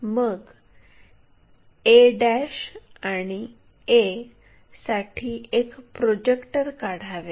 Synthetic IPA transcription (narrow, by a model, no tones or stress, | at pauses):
məɡ | eɖæɕaɽ̃i | e | saʈʰiːekpɾod͡ʑekʈəɾkaɽ̤aʋe